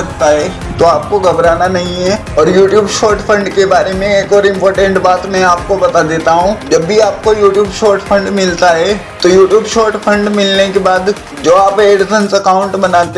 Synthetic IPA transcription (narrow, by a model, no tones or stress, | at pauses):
ɐk̚t̪aɦɛ | t̪oaːp̚koɡʱɐbɾaːnanɐɦĩɦɛ | ɔːɾjuːʈjuːbʃoːɾʈfʰə̃ɳɖkebaːɾemẽeːkɔːɾɪ̃mpɔːɾʈə̃ɳʈbaːt̪mɛ̃aːp̚kobɐt̪ad̪eːt̪aɦũd͡ʒɐbːiaːp̚kojuːʈjuːbʃoːɾʈfʰə̃ɳɖmɪlt̪aɦɛ | t̪ojuːʈjuːbʃoːɾʈfʰɐ̃ɳɖmɪlnekebaːd̪ | d͡ʒoːaːpeːɖɪsənsɐkaːʊ̃ɳʈbɐnaːt̪